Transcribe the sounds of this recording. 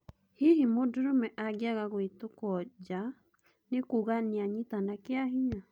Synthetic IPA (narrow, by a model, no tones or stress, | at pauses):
hiɦimodoɾomɛʔaɡjaɣaɣoetokɔd͡ʒa | nekuɣaneaɲitanakeaɦiɲa